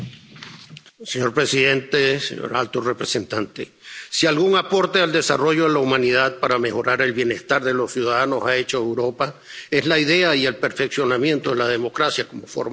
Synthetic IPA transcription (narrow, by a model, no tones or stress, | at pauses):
seɲo̞ɾpɾe̞siðe̞nt̪esḛɲo̰ɾalt̪orepɾesent̪ant̪e̞̰ | sialɣuŋapo̞ɾt̪e̞ald̪e̞sa̰ro̞ʝo̞ðelaumãnið̞að̚paɾame̞xo̞ɾaɾe̞lβje̞ne̞st̪aɾðe̞lo̞sjuð̞aðano̞sae̞t͡ʃo̞ewɾo̞pae̞zlaiðe̞aie̞lpe̞ɾfe̞ksjo̞namje̞nt̪o̞ðe̞lað̞e̞mo̞kɾasjako̞mofo̰ɾma